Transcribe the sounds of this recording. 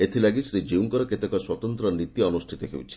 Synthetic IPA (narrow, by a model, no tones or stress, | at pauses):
et̪ʰilaɡisɾid͡ʒiuŋkɔɾɔket̪ɔkɔswɔt̪ɔnt̪ɾɔnit̪iɔnusʈʰit̪ɔɦḛwt͡ʃʰi̥